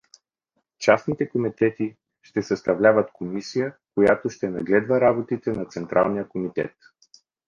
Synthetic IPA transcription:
t͡ʃasnit̪ɛkomit̪ɛt̪i | ʃt̪ɛsɐst̪ɐvlʲavət̪komisijəkojat̪oʃt̪ɛnɐɡlɛd̪vəɾabot̪it̪ɛnɐt̪sɛnt̪ɾʔa̰lˠnijəkomit̪ɛ̰t̪

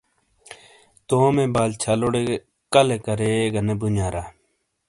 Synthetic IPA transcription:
t̪oːmẽːbaːlt͡ɕʰaloɽe | kɐlekɐɾeɡɐnebunaːɾaː

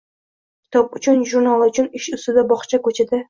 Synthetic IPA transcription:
kʲʰɪ̥t̪ʰɒpʊt͡ʃʰʊnʒʊɾnalˠʊt͡ʃʰʊnɪʃʊst̪ɪd̪abɒχt͡ʃʰakʰɵt͡ʃʰɪd̪ɪ

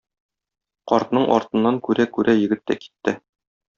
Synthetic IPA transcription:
qɒɾt̪nɤɴʔɒ̰ɾt̪ɤ̆nːɑŋkʉɾækʉɾæjɘ̆ɡɘt̪ːæ̰ki̥t̪ːɘ

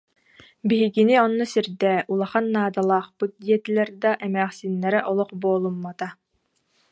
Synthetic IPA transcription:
biɦiɡiniɔnːusiɾd̪ɛulˠaχanːaːd̪alˠaːχpɯt̪̚d̪iɛt̪ilɛɾd̪aʔɛmæːχsinːɛɾɛʔɔlˠɔχboːlˠumːat̪a

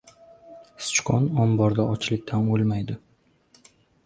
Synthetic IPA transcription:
st͡ʃqʰɒnɒmbɒɾd̪aɒt͡ʃʰlɪkʲt̪ʰamolˠmajd̪ɪ

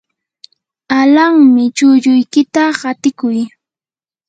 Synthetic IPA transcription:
alaŋmɪt͡ʃʊʎʊjkɪt̪aɢat̪ɪkʊj

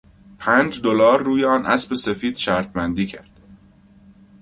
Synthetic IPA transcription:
pʰæːnd͡ʒd̪olɒːɾːuːjeɒːnʔæsbe̞se̞fiːd̪̥ʃæɾt̪̚ʰmænd̪iːcʰæɾd̪̥

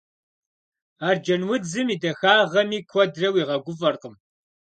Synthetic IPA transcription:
aːrd͡ʒɐnwʊd͡zɨmiːdɐxaːʁɐmiːkʷʰɔdrɐwiːʁɐɡʷʊfɐrqəm

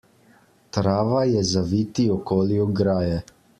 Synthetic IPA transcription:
t̪ɾaːʋajɛzaʋiːt̪iɔkoːliuɡɾaːjɛ

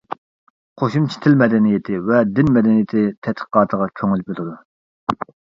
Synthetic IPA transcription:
qʰoʃumt͡ʃʰi̥t̪ʰɪlmɛd̪ɛnijet̪ʰɪvɛd̪ɪnmɛd̪ɛnijɪt̪ʰɪt̪ʰɛt̪χə̥qɑːt̪ʰəʁɑkʲʰøŋylbɪlˠɨd̪u

